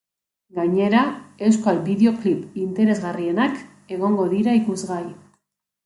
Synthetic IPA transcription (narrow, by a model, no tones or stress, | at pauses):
ɡaɲe̞ɾae̞wskoalbiðeo̞klipint̪e̞ɾe̞zɣarie̞nak | e̞ɣ̞o̞ŋɡo̞ðiɾaikuzɣai